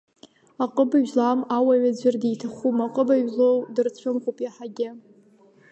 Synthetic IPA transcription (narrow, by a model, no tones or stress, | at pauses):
aqʼəbaʒlamawaɥad͡ʑʷɪrdijtʰaχʷumaqʼəbaɥlowdɨrt͡sʷʰʊmχʷupʼiaħaɡʲɪ